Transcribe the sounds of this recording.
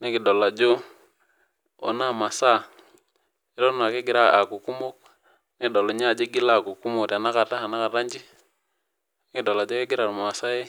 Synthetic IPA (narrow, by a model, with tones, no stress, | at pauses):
ne˦ki˨dɔ˨la˨d͡ʒo˦ | ɔ̰˨na˦ma˨sa˦˨ | i˦ɾɔ˦n˨a˨ke˦ɡɪ˨ɾa˦˨a˨ku˨ku˦mo˦k̚ | ne˦dɔ˨lo˨ɲ˦a˦˨d͡ʒi˦ɡi˦la˦˨ku˨ku˦mo˨ta˨na˦ka˨ta˦a˨na˦ka˨ta˦ɲd͡ʒi˦ | n˦ki˨dɔ˨la˨d͡ʒo˦ke˦ɡɪ˦ɾa˨ɾm˨a˨sa˦je˦